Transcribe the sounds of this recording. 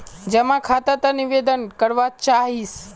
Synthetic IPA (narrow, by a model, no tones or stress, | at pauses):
d͡ʒemãkʰat̪at̪aniʋed̪ənkəɾʋat͡ʃaɦis